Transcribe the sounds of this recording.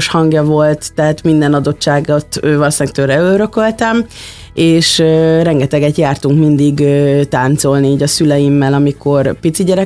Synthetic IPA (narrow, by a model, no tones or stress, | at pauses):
ʃhɒŋɡjɒvo̞lt̪ːɛɦat̪mind̪ɛnɒd̪o̞t͡ʃːaːɡot̪ːøːvɒlosnɛkt̪ørɛøɾø̞kølt̪ɛm | eːʃrɛŋɡɛt̪ɛɡɛt̪jaːrt̪uŋkmind̪iɡøt̪aːnt̪so̞lniːɟɒsylɛjimːɛlɒmiko̞rpit̪siɟɛɾɛ